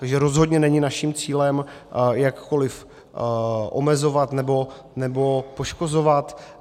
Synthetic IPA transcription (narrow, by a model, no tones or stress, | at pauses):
t̪aɡʒɛɾo̞zɦod̪ɲɛnɛɲɪnaʃimt͡siːlɛmjakːo̞lɪf | ʔo̰mɛzo̞vat̪nɛbo̞ | nɛbo̞po̞ʃko̞zo̞vat̪